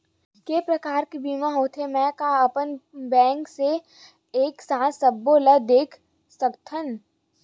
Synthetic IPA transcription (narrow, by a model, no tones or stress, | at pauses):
keːpɾəkaːɾkebiːmaɦoːt̪ʰemɛ̃kaɐpənbɛ̃ːŋkse | eːksãːsəbːoləd̪eːkʰ | səkt̪ʰən